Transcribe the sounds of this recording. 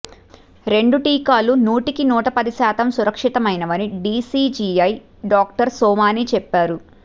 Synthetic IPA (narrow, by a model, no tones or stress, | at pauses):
ɾe̞ɳɖuʈiːkaːlunuːʈikinuːʈɐpɐd̪iʃaːt̪ɐmsuɾɐkʂit̪ɐmɐjnɐʋɐniɖiːsiːd͡ʒiːɐj | ɖaːkʈɐɾsɔːmaːniːt͡ʃɛpːaːɾu